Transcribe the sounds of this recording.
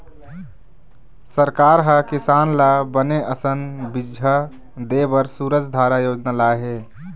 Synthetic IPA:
səɾkaɾɦəkisaːnlabəneʔəsənbid͡ʒɦə | d̪ebəɾsuːɾəd͡ʒʱd̪ʱaːɾajoːd͡ʒnalaɦe

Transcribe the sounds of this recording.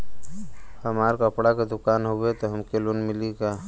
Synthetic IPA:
həmaːɾkəpɽaked̪ʊkaːnɦowet̪oɦəmkelunmɪlika

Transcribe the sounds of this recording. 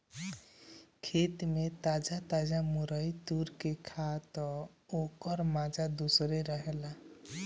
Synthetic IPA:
kʰet̪met̪ad͡ʒat̪ad͡ʒamuɾəjt̪uɾkekʰat̪ɔ | okəɾmad͡ʒad̪usɾeɾəɦela

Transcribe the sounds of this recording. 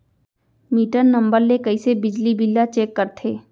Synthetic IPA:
miːʈənnɐ̃mbəɾlekɐisebɪd͡ʒlibilːat͡ʃeːkːɐɾt̪ʰeː

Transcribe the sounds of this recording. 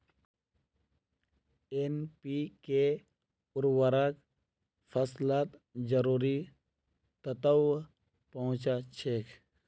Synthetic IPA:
enpike | ʊɾwaɾak | fʰəslaːt̪d͡ʒəɾuːɾi | t̪ət̪əw | pəɦʊ̃t͡ʃat͡ʃʰekʰ

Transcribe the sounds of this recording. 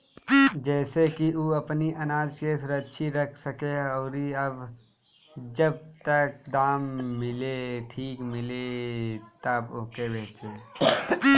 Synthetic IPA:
d͡ʒɛːsekiuɐpniʔɐnaːd͡ʒʃeːsɾəʃʰiɾɐkʰsəkeɔːɾiɐb | d͡ʒɐb̚t̪ək̚d̪aːmːɪleʈʰiːkmɪlet̪ɐbʊːkebeːt͡ʃe

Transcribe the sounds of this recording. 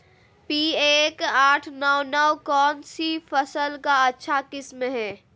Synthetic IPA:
piːeːkaːʈʰnɔwnɔwkɔːnsifəsəlkaɐtːʃʰakɪsmɦɛ̃ː

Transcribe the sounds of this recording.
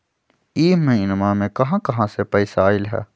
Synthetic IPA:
iːmmẽɪnəmãːmẽkɐɦãkɐɦãsepɛːɪsaːɪlɦɛ̰ː

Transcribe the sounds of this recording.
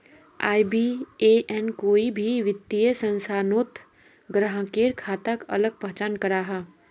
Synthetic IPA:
a̰ːibieːʔɛnkoːibʱiʋɪt̪ːijesə̃nsaːnoːt̪ | ɡɾəɦə̃keːɾkʰaːt̪əkɐ̰ləɡ̚pɐɦt͡ʃaːnkɐɾaːɦaː

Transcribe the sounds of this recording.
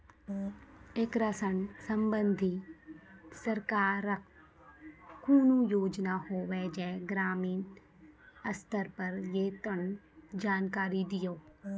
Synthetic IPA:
eːkɾasənsə̃mbə̃nd̪ʱi | sɐɾkaːɾək | kuːnũjoːd͡ʒnahoːʋɛːd͡ʒɛːɡɾaːmiːn | ɐst̪əɾpɐɾjeːt̪əɳd͡ʒaːnkaːɾid̪ɪjoː

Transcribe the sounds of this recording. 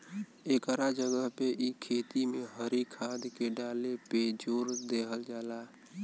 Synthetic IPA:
eːkɾad͡ʒəɡəɦpeʔikʰeːt̪imẽɦəɾikʰaːd̪keɖaːleped͡ʒoːɾd̪eːɦəld͡ʒaːlaː

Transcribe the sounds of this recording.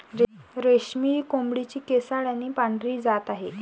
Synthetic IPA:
ɾeɾeɕmiːkombɽit͡ɕiːkesaɽjanːiːpaɳɖɾiːd͡zat̪aɦe

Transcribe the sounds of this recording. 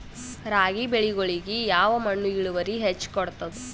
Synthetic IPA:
ɾaːɡibeɭiɡoɭiɡijaːʋɐmɐɳːuiɭuʋɐɾiɦet͡ʃːkɔɽt̪ɐd̪u

